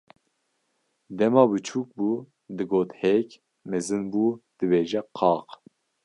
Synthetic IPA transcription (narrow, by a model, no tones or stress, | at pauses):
d̪ɛmɑːbɨt͡ʃʰuːk̚buː | d̪ɨɡoːt̪hɛk | mɛzɨnbuːd̪̥ɨbeːʒɛqʰɑːq